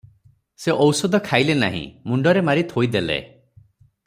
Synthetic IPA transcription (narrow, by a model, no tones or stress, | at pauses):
seʔɔwsɔd̪ɔkʰajlena̰ɦḭ̃muɳɖɔɾemaɾit̪ɔɦojd̪elḛ